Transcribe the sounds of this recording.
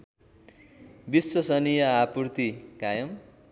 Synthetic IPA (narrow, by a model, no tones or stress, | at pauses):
biswʌsʌnijʌapurt̪ikajʌm